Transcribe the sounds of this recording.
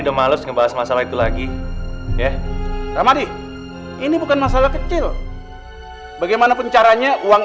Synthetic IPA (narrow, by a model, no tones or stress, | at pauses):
dɔmalʊsŋəbaɦasmasalait̪ulaɡi | jaramadi | inibukanmas̬alakət͡ʃɪl | baɡajmanapəɲt͡ʃaɾaɲauwaŋ